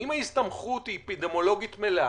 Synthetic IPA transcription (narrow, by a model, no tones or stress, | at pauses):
imhaist̪ɐmχut̪ipid̪emo̞lo̞ɡit̪mele